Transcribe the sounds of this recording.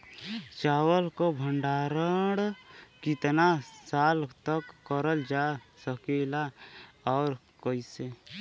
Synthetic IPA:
t͡ʃaːwəlkobʱəɳɖaːɾəɽkɪt̪nasaːlt̪əkːəɾəld͡ʒasəkeːlaɔːɾ | kəise

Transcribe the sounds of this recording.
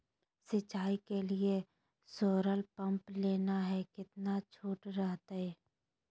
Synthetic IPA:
sɪt͡ʃaːikelie | soːɾəlpɐ̃mpleːnaɦɛkɪt̪nat͡ʃʰuːʈɾɛɦt̪aɦɛː

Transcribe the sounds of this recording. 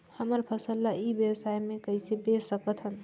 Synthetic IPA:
həməɾpʰəsəlːaibjəwsajmekəɦisʰebesəkət̪ʰɦən

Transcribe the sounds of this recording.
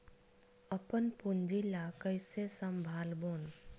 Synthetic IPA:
əpənpʊnd͡ʒilakəjsesəmbʱaːlboːn

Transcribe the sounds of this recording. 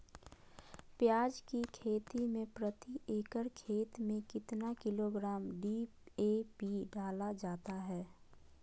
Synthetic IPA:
pjaːd͡ʒkikʰeːt̪imẽpɾət̪ieːkəɾkʰeːt̪mẽkɪt̪nakɪloɡɾaːmɖi | eːpiɖaːlad͡ʒaːt̪aɦɛː

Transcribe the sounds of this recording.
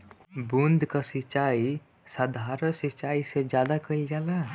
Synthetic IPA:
bũnd̪ʱkasit͡ʃaːi | sad̪ʱaːɾəsit͡ʃaːised͡ʒjaːd̪akəld͡ʒaːla

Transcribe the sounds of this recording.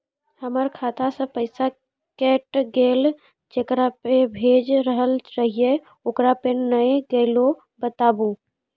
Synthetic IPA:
həməɾkʰat̪ʰasə̃pəɪsa | kɛʈɡeːl | d͡ʒekɾapebʱed͡ʒɾəɦəlt͡ʃaɦie | oːkɾapenəjɡeɪlo | bət̪aːbu

